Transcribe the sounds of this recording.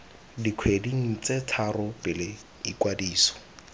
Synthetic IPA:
dikʰwediŋ̩t͡sʼetʰarʊpʼɪlɪ | ikwadiːsɔ̥

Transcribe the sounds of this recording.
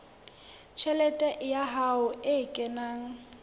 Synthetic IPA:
t͡ʃʰɛlɛtʼɛʔjaɦaʊɪkʼɛnaːŋ̩

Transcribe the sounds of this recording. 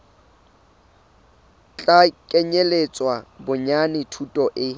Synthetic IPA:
t͡ɬʼakʼeɲelet͡sʼwabʊɲanɪtʰutʼɔʔɪ

